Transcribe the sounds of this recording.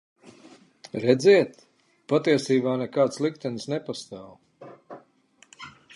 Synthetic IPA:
ɾɛd̪ziɛt̪ | pat̪iɛsiːbaːnɛkaːt̪slˠikt̪ɛnsnɛpast̪aːw

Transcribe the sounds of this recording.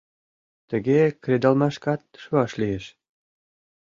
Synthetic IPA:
t̪ə̆ɡekrʲed̪ɑlmɑʃkɑt̪̚ʃuɑʃlijeʃ

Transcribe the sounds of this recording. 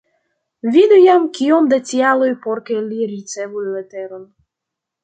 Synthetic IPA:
vid̪ujamkʲiomd̪at͡sʲialojpoɾkelʲiɾit̪sɛvujlet̪ɛɾon

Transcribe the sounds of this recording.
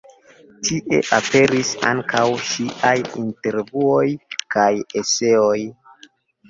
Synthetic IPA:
tʰiʔe̞̰ʔape̞ɾisa̰ŋkʰawʃiʔajinte̞ɾvuo̞jkajese̞o̞j

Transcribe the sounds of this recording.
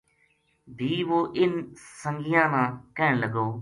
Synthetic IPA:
bʱiːʋoːʔɪnsə̃ŋɡɪjãːnãːkəːɳləɡoː

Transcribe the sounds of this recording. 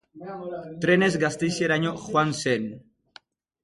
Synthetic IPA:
t̪ɾene̞zɡast̪ejsieɾaɲoxwansen

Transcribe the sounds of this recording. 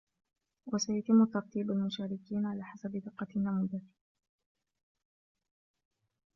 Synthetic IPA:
wʔasajat̪ɪmːʊt̪ːɑɾt̪iːbalmʊʃaːɾɪkiːnʕalaːħasabd̪ɪqːɑnːamuːd̪a

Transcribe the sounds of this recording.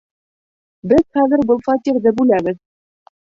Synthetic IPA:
bɘðχæðɘɾbɤlˠfɑt̪ʲiɾd̪ɘbʉlæβɘð

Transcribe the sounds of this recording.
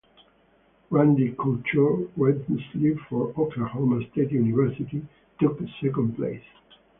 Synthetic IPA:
ɹæ̃ndikʰult͡ʃəɹwɛdmslifɔɹɔkəhomə˞stetjunivɛɹsiti | tʊk̚ðəsɛkə̃nplḛɪs

